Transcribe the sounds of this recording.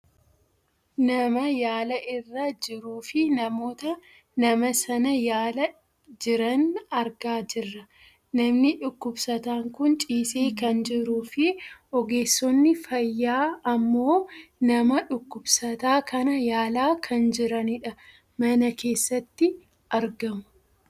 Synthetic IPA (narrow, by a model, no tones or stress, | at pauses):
nɐmɐjaːlɐʔɪrːad͡ʒɪɾuːfɪnɐmo̞ːt̪ɐ | nɐmɐsɐnɐjaːlɐ | d͡ʒɪɾɐnɐɾɡaːd͡ʒɪrːɐ | nɐmnɪᶑʊkːʊbsɐt̪aːŋkʊnt͡ʃʼiːseːkɐnd͡ʒɪɾuːfɪɔɡe̞ːsːɔnːɪfɐjːaːɐmːo̞ːnɐmɐᶑʊkːʊbsɐt̪aːkɐnɐjaːlaːkʰɐnd͡ʒɪɾɐnɪᶑɐ | mɐnɐke̞ːsːɐt̪ːɪ | ʔɐɾɡɐmʊ̥